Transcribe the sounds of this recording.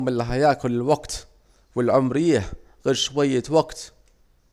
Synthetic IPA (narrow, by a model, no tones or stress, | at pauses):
mɪlːaɦajaːkʊlɪlwaɡt̪ | wɪlʕʊmɾɪjːa | ɣeːɾʃwajːawaɡt̪